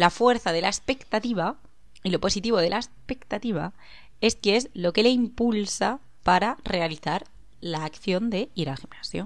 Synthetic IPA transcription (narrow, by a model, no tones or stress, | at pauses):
lafwe̞ɾθaðe̞laespe̞kt̪at̪iβ̞a | ilo̞po̞sit̪iβ̞o̞ð̞e̞laespe̞kt̪at̪iβ̞a̰ | e̞skee̞zlo̞ke̞le̞impulsa | paɾare̞aliθaɾ | laːkθjo̞nd̪e̞iɾalximnasjo